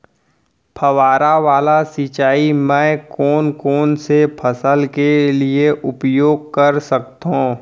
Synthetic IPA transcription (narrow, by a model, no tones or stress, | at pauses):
pʰəʋaːɾaʋaːlasit͡ʃaːimɛ̃ːkɔːnkɔːnsepʰɐsəlkelieʔʊpjoːɡ̚kəɾsək̚t̪õː